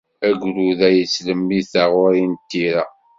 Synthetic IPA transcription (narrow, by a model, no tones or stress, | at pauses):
æɡʷluðæjəsləmːiθaʁʊɾint̪ːiɾæ